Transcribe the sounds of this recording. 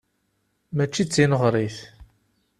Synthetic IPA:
mæt͡ʃːit͡sːinəʁɾˤiθ

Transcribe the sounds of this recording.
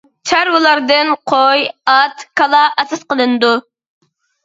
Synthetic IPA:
t͡ʃʰæɾwulˠɑɾd̪ɨnqʰojɑt̪kʰɑlˠɑɑsɨsqəlˠɨnɨd̪u

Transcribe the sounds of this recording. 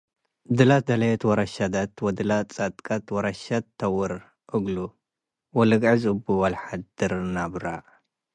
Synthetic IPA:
d̪ɨlat̪̚d̪ɐlɐjɛt̪wɔɾɐʃad̪at̪wɐd̪ɨlat͡sʼat̪ʼkʼat̪wɔɾɐʃat̪ʰːɐwɨɾ | ʔɨɡlu | wɔlɨɡʕɨzɨbuwɐlħad̪ɨɾnabɾa

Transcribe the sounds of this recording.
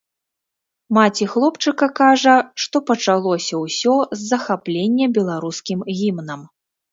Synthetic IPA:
mat͡sʲixlˠɔpt͡ʂɨkɐkaʐɐʂt̪ɔpɐt͡ʂalˠɔsʲɐwsʲɔzːɐxaplʲenʲːɛbʲɛlˠaɾuskʲimɣʲimnɐm

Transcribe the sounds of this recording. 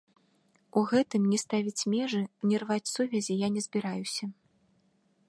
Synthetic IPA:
uɣɛt̪ɨmnʲɛst̪avʲit͡sʲmʲɛʐɨnʲɛrvat͡sʲsuvʲɛzʲijanʲɛzbʲiɾajusʲɐ

